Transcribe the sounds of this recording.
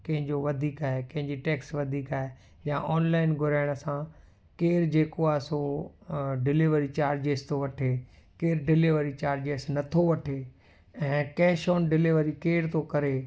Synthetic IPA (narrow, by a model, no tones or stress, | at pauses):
kɐ̃ɦɪ̃ɲd͡ʑoʋɐd̪ʱiːkaːɦekɐ̃ɦɪ̃ɲd͡ʑiʈeːksʋɐd̪ʱiːkaːɦe | jãʔɔːnlaːɪnɡʱʊɾaːɪɽ̃əsã | keːɾd͡ʑeːkoaːso | ɖɪliʋəɾit͡ɕaːɾd͡ʑeːst̪oʋɐʈʰekeːɾɖɪlɪʋəɾit͡ɕaːɾd͡ʑeːsnɐt̪ʰoʋɐʈʰe | ɛ̃ːkɛːʃɔːnɖɪleʋəɾikeːɾt̪okɐɾe